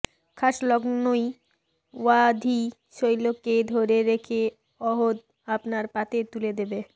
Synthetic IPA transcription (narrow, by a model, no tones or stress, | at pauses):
kʰaʃlɔɡnoj | wad̪ʱi | ʃojloked̪ʱoɾeɾekʰe | ɔɦod̪ | apnaɾpat̪eɾt̪uled̪ebe